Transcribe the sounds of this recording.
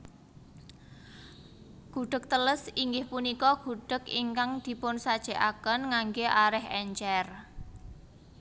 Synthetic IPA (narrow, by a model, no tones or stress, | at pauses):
ɡ̥ṳɖ̥ək̚t̪ələsiŋɡɪhpunikɔɡ̥ṳɖ̥ə̤kiŋkaŋd̪̥i̤pʊnsad̥ʒ̥e̤ʔakənŋaŋɡeʔaɾɪɦɛɲt͡ʃɛr